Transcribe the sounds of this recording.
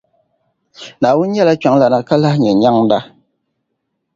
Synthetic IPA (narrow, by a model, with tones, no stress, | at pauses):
naː˨wʊ˦n˦ɲɛ˦la˦t͡ʃa˨ŋla˨na˨ka˦la˦hɲɛ˨ɲa˦ŋ˦da˦